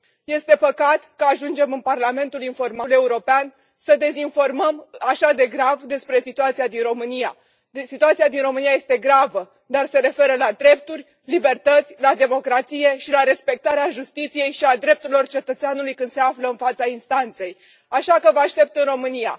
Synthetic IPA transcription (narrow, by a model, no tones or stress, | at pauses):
je̞st̪e̞pəkat̪kəaʒund͡ʒe̞mɨnparlame̞nt̪ulinfo̞rmale̞uɾo̞pean | səd̪e̞zinfo̞rməmaʃad̪e̞ɡɾavd̪e̞spɾe̞sit̪uat̪sijad̪inro̞mɨnija | sit̪uat̪sijad̪inro̞mɨnijaje̞st̪e̞ɡɾavə | d̪arse̞ɾe̞fe̞ɾəlad̪ɾe̞p̚t̪urʲ | libe̞rt̪ət̪sʲlad̪e̞mo̞kɾat̪sije̞ʃilaɾe̞spe̞k̚t̪aɾeaʒust̪it̪sije̞jʃiad̪ɾe̞p̚t̪uɾilo̞rt͡ʃe̞t̪ət̪seanulujkɨnd̪se̞afləɨnfat̪sainst̪ant̪se̞j | aʃakəvəaʃt̪e̞p̚t̪ɨnro̞mɨnija̰